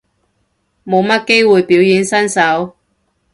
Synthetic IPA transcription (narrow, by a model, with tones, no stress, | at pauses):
mo˨˧wmɐ˥t̚ke˥jwuː˨jpiː˨˥wjiː˨˥nsɐ˥nsɐ˨˥w